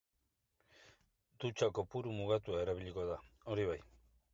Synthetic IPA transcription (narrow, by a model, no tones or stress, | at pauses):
d̪ut͡ʃako̞puɾumuɣat̪uaeɾaβiʎikoðaoɾiβaj